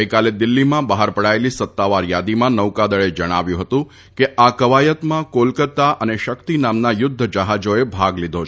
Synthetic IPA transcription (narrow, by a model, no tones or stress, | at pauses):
əjkaled̪ɪlːimãbaɦaɾpəɽaelisət̪ːaʋaɾjad̪imãnəʋkad̪əɭed͡ʒəɽ̃aʋjũɦət̪ũ | keʔakəʋajət̪mãkolkət̪ːaʔəneʃəkt̪inamnajʊd̪ʱːəd͡ʒəɦad͡ʒoebʱaɡlid̪ʱo